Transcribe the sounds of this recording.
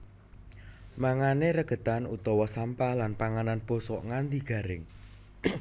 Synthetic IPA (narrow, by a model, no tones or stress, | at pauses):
maŋaneɾəɡ̥ə̤t̪anut̪ɔwɔsampahlanpaŋananb̥ɔ̤sɔʔŋand̪iɡ̥ä̤ɾɪŋ